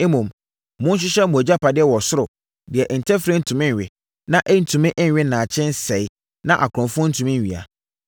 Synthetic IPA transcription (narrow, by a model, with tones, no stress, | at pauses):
e˦mũ˨m˦ | mʊ̃˦n˦ɕ̬ᶣɪ˦ɕɛ˦mũ˨æ˨d͡ʑa˦pʰa˨dɪ˦ɛ˦wɔ˨sʊ˦ɾʊ˨ | dɪ˨ɛ˨ʔn̩˨tʰɛ˦fɾe˦n̩˦tʰũ˨mɪ̃˦n˨ɥɪ˨ | nã˦ʔɛ˦n̩˦tʰũ˨mɪ̃˦ʔɪ̃˦n˨˦ɥɪ˦nãː˨t͡ɕʰɛ̃˦n̩˦sɛ˨ɪ˦ | nã˦ʔa̰˨kʰɔ̃˨fʊ˦ʊ̃˦n̩˦tʰũ˨mɪ̃˦n̩˨ɥi˨a̰˨